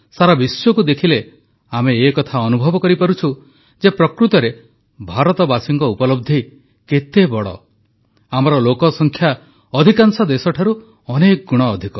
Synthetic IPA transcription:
saɾabisɔkud̪ekʰile | ameːkɔt̪ʰaɔnubʱɔbɔkɔɾipaɾut͡ʃʰu | d͡ʒepɾɔkɾut̪ɔɾe | bʱaɾɔt̪ɔbasiŋkɔupɔlɔb̚d̪ʱi | ket̪ebɔɽɔ̰ | amɔɾɔlokɔsɔŋkʰja | ɔd̪ʱikansɔd̪esɔʈʰaɾu | ɔnekɔɡuɽ̃ɔːd̪ʱikɔ

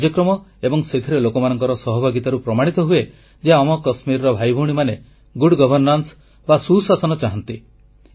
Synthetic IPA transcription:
d͡ʒjɔkɾɔmɔebɔŋset̪ʰiɾelokɔmanɔŋkɔɾɔsɔɦɔbʱaɡit̪aɾupɾɔmaɽ̃it̪ɔɦue | d͡ʒeɔmɔkɔsmiɾɔɾɔbʱajbʱɔɽ̃imane | ɡuɽɡɔbʱɔɾnans | basusasɔnɔt͡ʃaɦɔnt̪i

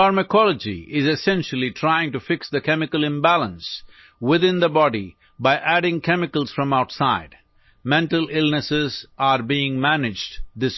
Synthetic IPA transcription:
aɾməkʰɔləd͡ʒḭʔɪzɨsɛ̃nʃəl̩ˠitʰɾaɪɪ̃ŋʈufɪksd̪əkʰɛmɪkəlˠɪ̃mbælə̃ns | wɪðɪ̃nd̪əbɔɖi | baɪʔæɖɪ̃ŋkʰɛmɪkəlˠz̥fɾʌ̃maʊʈsaɪd̥ | mɛ̃nʈəlɪlˠnəsɪzaɾbiɪ̃ŋmænɪd͡ʒdd̪ɪs

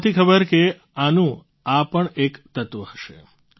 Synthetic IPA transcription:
t̪ʰikʰəbəɾke | anũ | apəɳekt̪ət̪ʋəhəʃḛ

